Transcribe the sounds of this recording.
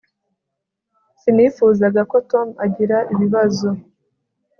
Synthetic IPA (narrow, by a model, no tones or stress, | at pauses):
sinifuzaɡako̞to̞maɟiɾaʔiβiβazo̞